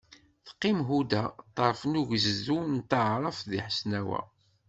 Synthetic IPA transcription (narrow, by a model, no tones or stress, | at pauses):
θqːimɦud̪æt̪ˤːəɾˤfnuʝəzzunt̪əʕɾˤəfðiħsnæwæ̰